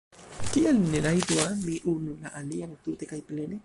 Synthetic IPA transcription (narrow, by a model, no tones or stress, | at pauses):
kiʔalneɾajt̪uamiʔunulaʔaliaŋt̪ut̪ekajplene